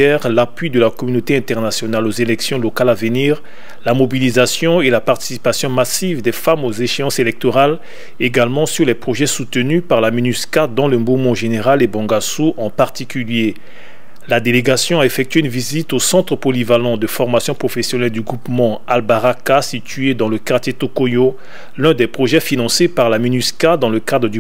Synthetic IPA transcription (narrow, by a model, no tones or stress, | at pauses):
ɛʁlapɥid̪əlakɔmynot̪eɛ̃t̪ɛʁnasjɔnalozelɛksjɔ̃lɔkalavəniːʁ | lamɔbilizasjɔ̃elapaʁt̪i̥si̥pasjɔ̃masivd̪ɛfamozeʃeɑ̃selɛk̚t̪ɔʁal | eɡalmɑ̃syʁlɛpχoʒɛsut̪ənypaʁlaminyskad̪ɑ̃ləbumɑ̃ʒeneʁalebɑ̃ɡasuʔɑ̃paʁt̪ikʲylje | lad̪eleɡasjɔ̃aefɛk̚t̪ɥeynvizit̪osɑ̃t̪χəpɔlivalɑ̃d̪əfɔʁmasjɔ̃pχofesjɔnɛld̪yɡʁupmɑ̃albaʁakasit̪ɥed̪ɑ̃ləkaʁt̪jet̪okojo | lɛ̃d̪ɛpχoʒɛfinɑ̃sepaʁlamynyskad̪ɑ̃ləkad̪ʁəd̪y